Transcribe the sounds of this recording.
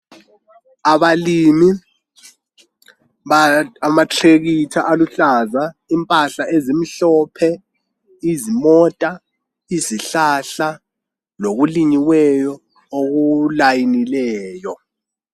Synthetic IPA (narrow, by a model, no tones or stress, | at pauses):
aβalimi | amatʰeɣitʰaʔaluɬazaimpʼaɬaʔezim̩ɬɔpʰɛ | izimɔtʼa | iziɬaɬa | loɣuliɲiwɛjɔ | oɣulajinilɛːjɔ